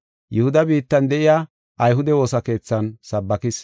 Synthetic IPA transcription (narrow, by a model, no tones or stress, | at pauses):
jɛhʊd̪ɐbiːt̪ːɐnd̪ɛʔɪjaː | ʔɐjɦʊd̪ɛwo̞ːsɐke̞ːt͡sːɐnsɐbːɐkɪs